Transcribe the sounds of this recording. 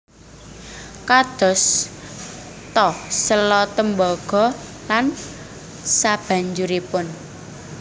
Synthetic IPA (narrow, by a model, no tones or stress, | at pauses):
kad̪̥ɔ̤s | t̪ɔhsəlɔt̪əmbɔɡ̥ɔ̤lan | sab̥a̤ɲd͡ʒuɾipʊn